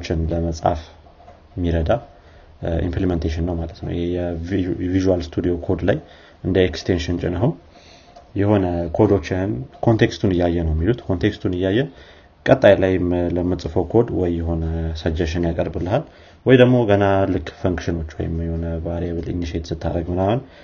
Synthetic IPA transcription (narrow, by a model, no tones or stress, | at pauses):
t͡ʃːɪnləməsʼa̰f | mːiɾəd̪a | ʔḭmpliment̪ʰeʃɪnːəwmalət̪nə̰wɪhejɛviʒualst̪ʰud̪io̞kʰo̞d̪laj | ɨnd̪əekst̪ʰenʃɪnt͡ʃʼɪnəɦum | jɛho̞nəkʰo̞d̪o̞t͡ʃːɪnkʰo̞nt̪ʰe̞kst̪ʰunɨjːajːɛnəwɛmːilut̪kʰo̞nt̪ʰekst̪ʰunɨjːajːɛ | kʼət̪ʼːajlajləmːɨt͡sʼɨfokʰo̞d̪wɔjːɛɦo̞nəsəd͡ʒəʃɪnjakʼərbɨlːəɦal | wɔjd̪əɡmo̞ɡənalɨkːfəŋkʃɪno̞t͡ʃːwɔ̰jɪmjɛho̞nəbaɾɛβɨlḭniʃet̪sɨt̪ʰːa̰ɾəɡmɨnahən